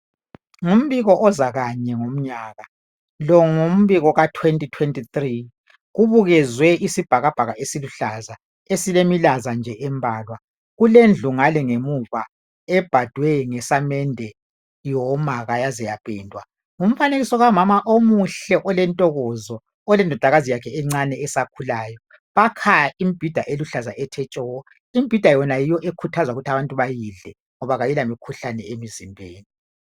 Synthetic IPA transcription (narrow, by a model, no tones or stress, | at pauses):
ŋum̩βiɣɔʔɔzaɣaɲɛŋom̩ɲaːɣa | lɔŋum̩βiɣɔɣatʰwentʼitʰwentʼit̪ri | ɣuβuɣɛzwɛʔisib̥ʱaɣab̥ʱaɣaʔesiluɬaza | esilemilazand͡ʒʱɛʔɛmbʱaːlwa | ɣulend͡ɮʱuŋalɛŋemuva | ɛb̥ʱad̥ʱwɛŋɛsamɛndʱɛ | jɔmaɣajazɛjapʼɛːndʱwa | ŋum̩faneɣisɔɣamamaʔomuɬɛʔɔlɛntʼɔɣɔzɔ | ɔlɛndʱɔd̥ʱaɣazijakʰɛɛŋ͡ǀanɛːsakʰulaːjɔ | βakʰajaʔimib̥ʱid̥ʱaʔeluɬazaʔɛtʰɛt͡ʃʼɔwɔ | im̩b̥ʱid̥ʱajɔnajijɔʔekʰutʰazaɣutʰaβantʼuβajiɮɛ | ŋɔβaɣajilamikʰuɬanɛemizimbʱeːni